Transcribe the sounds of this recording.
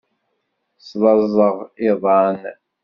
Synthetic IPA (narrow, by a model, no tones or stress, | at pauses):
slˤɑzˤəʁɪðˤɑn